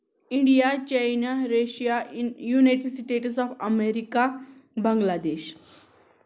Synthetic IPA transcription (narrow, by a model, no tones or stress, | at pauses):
iɳɖijat͡ɕajnaɾeɕijajuneʈsiʈeʈsɔfəmeɾikabə̃ŋɡlad̪eɕ